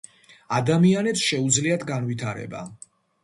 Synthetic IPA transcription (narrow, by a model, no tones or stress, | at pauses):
ad̪amianɛpsʃɛud̪zliat̪ʰɡanvit̪ʰaɾɛ̰ba̰